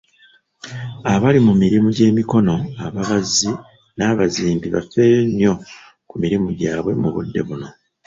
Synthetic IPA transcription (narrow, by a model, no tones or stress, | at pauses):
aβalimumiɾimuɟe̞ːmiko̞no̞aβaβazi | naːβaziːmbiβa̰fe̞ːɾenjo̞ | kumiɾimuɟaːβwe̞muβṵdːe̞̰βuno̞